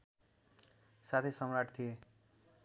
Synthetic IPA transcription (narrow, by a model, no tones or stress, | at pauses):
sat̪ʰesʌmɾaʈt̪ʰije